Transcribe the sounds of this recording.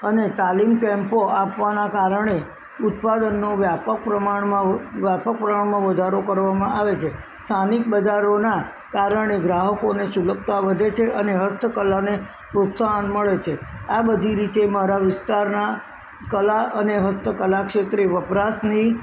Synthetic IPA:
ənet̪alimkɛ̃mpoʔapʋanakaɾəɳ̃e | ʊt̪̚pad̪ənːoʋjapək̚pɾəmaɳmãʋjapək̚pɾəmaɳmãʋəd̪ʱaɾokəɾʋamãʔaʋet͡ʃʰe | st̪ʰanik̚bəd͡ʒaɾona | kaɾəɳeɡɾaɦəkonesuləb̚t̪aʋəd̪ʱet͡ʃʰeʔəneɦəst̪ʰəkəlane | pɾot̪saɦənməɭet͡ʃʰeabəd̪ʱiɾit̪emaɾaʋɪst̪aɾna | kəlaʔəneɦəst̪ʰəkəlakʂet̪ɾeʋəpɾasni

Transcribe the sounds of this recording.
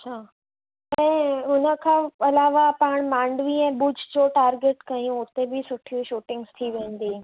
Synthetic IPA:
ɐt͡ɕʰa | ɛ̃ːʊnəkʰãɐlaːʋapaːɳ̃mãːɳɖʋĩɛ̃ːbʊd͡ʑʱd͡ʑoʈaːɾɡeʈkɐjũʊt̪ebʱisʊʈʰijũʃuːʈɪ̃ŋɡst̪ʰiʋẽːnd̪iː

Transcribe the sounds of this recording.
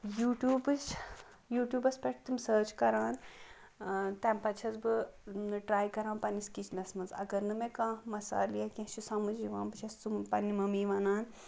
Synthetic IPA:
juːʈjuːbɨt͡ʃ | juːʈjuːbɐspʲeʈ̚ʰt̪ɨmsəːt͡ʃʰkɐɾãːn | t̪ɛːmpɐt͡ʃʰɐzbɨɨʈɾaːjkɐɾãːnpɐniskit͡ʃʰnɐsmɐnzɐɡɐɾnɨmẽkãːmɐsa̰ːlijakʲẽɦʃusãːmɨd͡ʒd͡ʒiʋãːnpɨt͡ʃʰɐst̪umpɐnːimɐmiːʋɐnaːn

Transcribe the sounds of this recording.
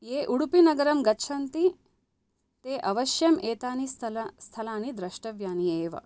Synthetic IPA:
eːʔuɽupinɐɡɐɾɐmɡɐtːʃʰɐnt̪i | t̪eːʔɐʋɐʃjɐmʔeːt̪aːnist̪ɐlɐst̪ʰɐlaːnid̪ɾɐʃʈɐʋjaːnieːʋɐ̰

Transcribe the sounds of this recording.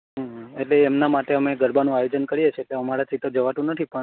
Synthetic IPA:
ɦãɦeʈleːmnamaʈeəmeɡəɾbanũajod͡ʒənkəɽijet͡ʃʰeʈeəmaɾat͡ʃit̪od͡ʒəʋat̪ũnət̪ʰipə

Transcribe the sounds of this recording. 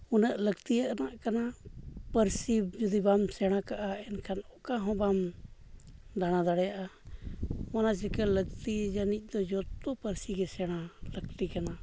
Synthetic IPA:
unaʔləɡt̪ijaʔnaʔkanapəɾsid͡ʒud̪ibamsɛɽ̃ãkaʔaɛnkʰanɔkaɦɔ̃bam | d̪aɽ̃ãd̪aɽɛjaʔa | manas̬ɛkaləɡt̪id͡ʒanic̚ˀd̪ɔd͡ʒɔt̪ɔpəɾsiɡɛsɛɽ̃aləɡt̪ikana

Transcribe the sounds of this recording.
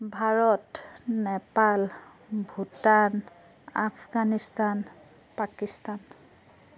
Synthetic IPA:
bʱaɹɔtnɛpal | bʱutan | a̰pʰɡanistan | pakistan

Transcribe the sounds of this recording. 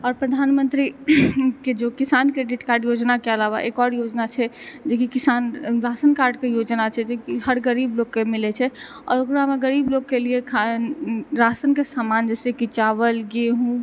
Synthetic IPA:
ɔːɾpɾəd̪ʱanmənt̪ɾi | ked͡ʒokisankɾeɖiʈkaɾɖjod͡ʒnakeəlaβa̰ʔekɔɾjod͡ʒnat͡ʃʰɛ | d͡ʒekikisanɾasənkaɾɖkejod͡ʒnat͡ʃʰɛd͡ʒekiɦəɾɡəɾiblokkːemilɛt͡ʃʰɛ | ɔ̰ːɾokɾameɡəɾibloɡkeliekʰa | ɾasənkesamand͡ʒɛsekit͡ʃaβəlɡeɦũ

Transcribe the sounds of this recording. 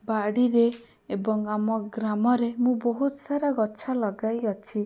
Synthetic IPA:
baɽiɾe | ebɔŋamɔɡɾamɔɾemũboɦut̪ɔsaɾaɡɔt͡ʃʰalɔɡajɔt͡ʃʰi

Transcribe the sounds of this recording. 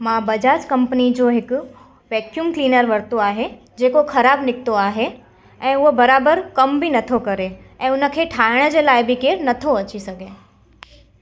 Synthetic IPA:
mãbɐd͡ʑaːd͡ʑkɐ̃mpənid͡ʑoːɦɪk | ʋɛːkjumkliːnəɾʋɐɽt̪oaːɦe | d͡ʑeːkoxʰɐɾaːbnɪk̚t̪oaːɦe | ɛ̃ːʊɦobɐɾaːbəɾkɐmbʱinɐt̪ʰokɐɾe | ɛ̃ːʊnə̆kʰeːʈʰaːɪɽ̃əd͡ʑeːlaːɪbʱikeːɾnɐt̪ʰoɐt͡ɕisɐɡʱẽ

